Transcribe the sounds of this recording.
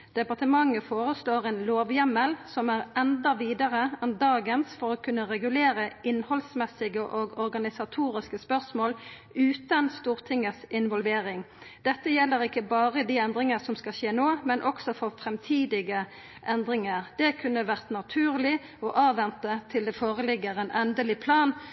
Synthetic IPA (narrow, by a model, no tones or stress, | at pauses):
d̪̥ɛpɑʁt̪əmɑŋːəfoːʁəsloːʁɛːnloːʋjɛməlsɔmæʁɛnd̪ɑʋiːd̪əʁəɛnd̪ɑːɡənsfɔʁɔːkʰʉnːəʁɛɡʉleːɾəɪnhɔlsmɛsɪɡəʔɔɡɔɾɡɑnɪsɑt̪ʰuːʁɪskəspœʁsmoːl | ʉːt̪ɑnst̪uːʁt̪ʰɪŋəsɪnʋɔlʋeːɾɪŋ | d̪̥ɛt̪ːəjɛlːəɾɪkːəbɑːʁəd̪iːɛnd̪ʁɪŋəsɔmskɑɕeːnoːmɛnʔɔksɔfɔʁfʁɛmt̪ʰiːd̪ɪɡə | ʔɛnd̪ʁɪŋəʁd̪̥ɛkʰʉnːəʋæʁt̪nɑt̪ʰʉːʁlɪ | ɔʔɑːʋɛnt̪ət̪ʰɪld̪ɛfoːʁəlɪɡːəʁeːnʔɛnd̪əlɪpʰlɑːn